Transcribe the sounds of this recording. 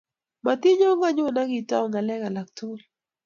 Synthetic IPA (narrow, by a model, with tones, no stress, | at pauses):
ma˨t̪ɪ˦ɲɔ˦ŋa˦ɲo˦˨na˦ɡɪ˨ta̰˦ɔ˨ŋa˨lɛ˦ka˨la˨k̚to˦l